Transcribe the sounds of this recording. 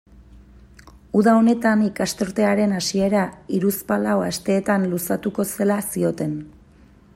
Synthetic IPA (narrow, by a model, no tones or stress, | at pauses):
uðao̞ne̞t̪anikast̪o̞ɾt̪e̞aɾe̞nasie̞ɾaiɾuspalaoast̪e̞ːt̪anlusat̪uko̞se̞lasio̞t̪e̞n